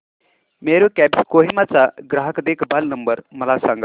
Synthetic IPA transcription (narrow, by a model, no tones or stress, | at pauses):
meːɾuːkɛːbskoːɦimat͡saːɡɾaːɦəkd̪ekbɐlnəmbəɾmɐlaːsãːŋɡa